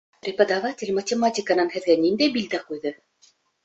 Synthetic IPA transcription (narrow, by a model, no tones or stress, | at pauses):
prʲɪpəd̪avatʲɪ̆lʲmətʲɪmatʲɪkənanɦɘ̆ðɡænʲind̪æjbʲilʲd̪æqujðɤ